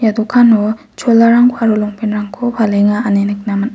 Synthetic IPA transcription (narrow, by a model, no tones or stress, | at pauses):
jadukʰano | t͡ʃʰolːaɾaŋkʰoaɾuloŋpʰinɾaŋkʰopʰaleŋaanenɯk̚nama